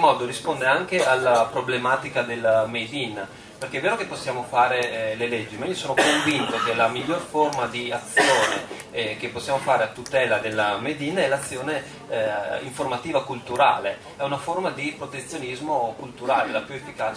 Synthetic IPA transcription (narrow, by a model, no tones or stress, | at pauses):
mɔːd̪oɾispond̪eaŋkealːapɾoblemaːt̪ikad̪elːmejd̪inː | perk̟eɛveːɾokepːosːjaːmofaːɾeleled͡ʒːimaiːosoːnokoɱvint̪okelamiʎːorformad̪iat̪sːjoːne | k̟epːosːjaːmofaːɾeat̪ːut̪ɛːlad̪elːamed̪inɛlat̪sːjoːne | iɱformat̪iːvakult̪uɾa̰ːle | ɛunaformad̪ipɾot̪et̪sːjonizmokult̪uɾaːlelapjuefːikaːt͡ʃ